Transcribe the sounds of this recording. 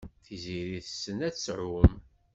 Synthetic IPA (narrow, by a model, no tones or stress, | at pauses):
θiziɾiθəsːənæt͡sːsʕʊm